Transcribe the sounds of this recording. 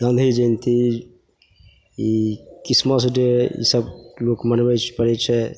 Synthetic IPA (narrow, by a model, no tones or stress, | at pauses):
ɡə̃nd̪ʱid͡ʒənt̪ʰi | ikismas̬d͡ʒeḭsəb̚lokmənbɛt͡ʃʰpəɾɛt͡ʃʰɛ